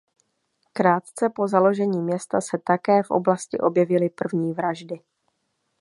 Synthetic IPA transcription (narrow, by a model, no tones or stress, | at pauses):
kɾaːt̪t͡sɛpo̞zalo̞ʒɛɲiːmɲɛst̪asɛt̪akɛːfʔo̞̰blascɪʔo̞bjɛvɪlɪpr̩vɲiːvɾaʒdɪ